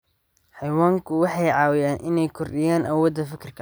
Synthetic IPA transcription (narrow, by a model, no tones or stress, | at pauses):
ħɑjwaːŋkʰʊwɑħɑjʕɑːwɪjaːnʔɪnɛjkʰɔrɗɪjaːnʔɐwɔːd̪ɐfɪkʰɪrkʰɐ